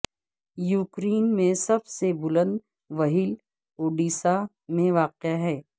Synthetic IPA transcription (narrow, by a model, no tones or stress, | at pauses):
juːkɾeːnmẽsɐbsebʊlə̃nd̪ | ʋɐɦiːl | oːɖiːsa | mẽʋaːqɪjaɦɛː